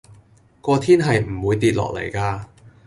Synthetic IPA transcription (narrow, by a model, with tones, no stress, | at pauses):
kɔː˧t̪ʰiː˥nɦɐ˨jm̩˨˩wuː˨˧jt̪iː˨˧t̚lɔ̰ː˨˩k̚lḛ˨˩jkaː˧